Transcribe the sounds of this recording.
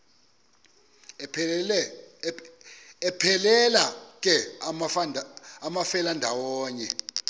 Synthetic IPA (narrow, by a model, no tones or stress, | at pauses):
ɛpʰɛlɛlakʼɛ | namafɛlandʱawɔːɲɛ